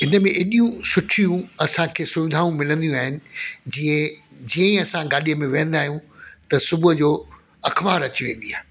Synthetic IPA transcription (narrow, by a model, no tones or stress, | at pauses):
ɦɪnəmẽʔɪɗijũsʊʈʰijũɐsãkʰeːsʊʋɪd̪ʱaːũmɪlə̃nd̪ijũaːɦɪnɪ̆d͡ʑiːə̃d͡ʑiːə̃ĩɐsãɡaːɗijəmẽʋẽːə̃nd̪aːɦijũt̪ɐsʊbʊɦd͡ʑoː | ɐkʰbaːɾɐt͡ɕiʋẽːn̆d̪iaːɦe